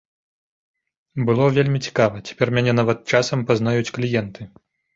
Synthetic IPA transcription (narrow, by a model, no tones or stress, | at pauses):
bɨlˠɔvʲelʲmʲit͡sʲi̥kavɐt͡sʲḁpʲɛrmʲanʲɛnavɐt̪̚t͡ʂasɐmpaznajut͡sʲklʲijɛnt̪ʰɨ